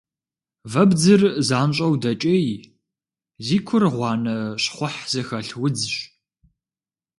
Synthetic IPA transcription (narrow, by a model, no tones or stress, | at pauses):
vɐbd͡zɨrzaːnɕʼɐwdɐt͡ʃʼɐj | ziːkʷʰʊrʁʷɑːnɐɕχʷʊħz̥ɨxɐɬwʊd͡zɕ